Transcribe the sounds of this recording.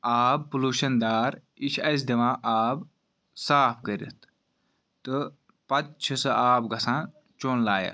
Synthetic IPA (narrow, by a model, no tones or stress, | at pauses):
aːb̚puluːʃɐnd̪aːɾit͡ʃʰɐs̬d̪imãːʔaːb | saːpʰkəɾḭt̪ʰ | t̪ɨ | pɐt̪̚t͡ʃʰisɐʔaːbɡʱɐsãːn | t͡ʃoːnlaːjɐ̰